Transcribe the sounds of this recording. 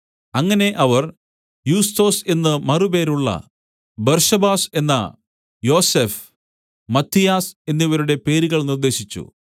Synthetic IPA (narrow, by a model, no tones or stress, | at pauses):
ɐŋːɐne̞ʔɐʋɐr | juːst̪o̞ːse̞nːɨmɐrube̞ːɾuɭːɐ̰ | bɐrʂɐbaːse̞nːɐ̰ | jo̞ːsef | mɐt̪ʰːijaːse̞nːiʋɐɾuɽe̞pe̞ːɾiɣɐɭnird̪e̞ːɕit͡ɕːṵ